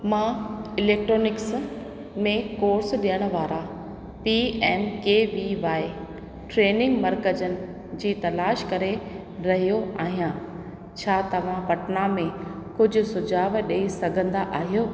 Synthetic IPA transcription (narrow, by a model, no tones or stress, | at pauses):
mãːɪleːk̚ʈɾoːnɪks | mẽkoːɾsɗijəɽ̃ʊ̆ʋaːɾa | piɛːmkeːʋiʋaːɪ | ʈɾeːnɪ̃ŋɡmɐɾkəd͡ʑənɪ̆ | d͡ʑiːt̪ɐlaːʃkɐɾe | ɾɐɦijoaːɦijã | t͡ɕʰaːt̪ɐʋ̤ãpɐʈnamẽkʊd͡ʑʱʊ̆sʊd͡ʑaːʋɗeisɐɡʱə̃nd̪aʔaːɦijoː